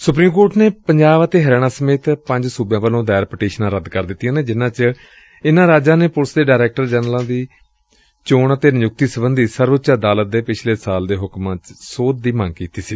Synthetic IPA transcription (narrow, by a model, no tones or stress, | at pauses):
sʊpɾiːmkoːʈneːpəɲd͡ʒaːʋət̪eːɦəɾɛːɽ̃ãːsəmeːt̪pə̃ɲd͡ʒsuːbjãːʋəlõːd̪ɛːɾpəʈeːʃnãːɾəd̪kəɾd̪ɪt̪ːijãːneːd͡ʒɪnãːt͡ʃə | ɪnãːɾaːd͡ʒãːneːpʊlsd̪eːɖaːɾɛːk̚ʈəɾd͡ʒɛːnlãːd̪iː | t͡ʃoːɳət̪eːnjʊk̚t̪iːsəbənd̪iːsəɾʋətːt͡ʃaːd̪aːlət̪̚d̪eːpɪt͡ʃʰleːsaːld̪eːɦʊkmãːt͡ʃsoːt̪̚d̪iːməŋɡkiːt̪iːsiː